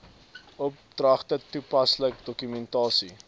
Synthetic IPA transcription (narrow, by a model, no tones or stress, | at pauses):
ɔp̚d̥rɐχtətupɐslək̚dɔkymɛntɑːsi